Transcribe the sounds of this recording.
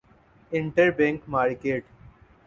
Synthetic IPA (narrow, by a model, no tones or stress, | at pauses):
ɪ̃ɳʈəɾbẽŋkmaːɾkeːʈ